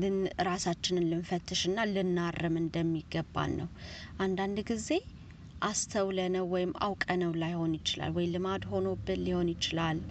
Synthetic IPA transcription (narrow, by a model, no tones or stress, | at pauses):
lɨnɾasat͡ʃːɪnɨnlɨmfət̪ʰːɨʃɨnːalɨnːarːɨmɨnd̪əmːiɡəbːa̰nːəwʔand̪and̪ɡize̞ | ʔast̪ʰəwlənəwːɔjɪmːa̰wkʼənəwlajho̞njɪt͡ʃɪla̰lwɔjlɨmad̪ho̞no̞bːɨnliho̞njɪt͡ʃɪlalː